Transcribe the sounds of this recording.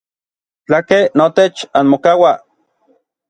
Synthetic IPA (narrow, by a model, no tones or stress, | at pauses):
t͡ɬakenot̪et͡ʃanmokawa